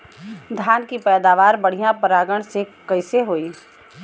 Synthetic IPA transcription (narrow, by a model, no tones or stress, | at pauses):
d̪ʱjaːnkipɛːd̪aːʋaːɾbəɽ̤ijãpəɾaːɡəɽ̃sekɐɪseɦoːiː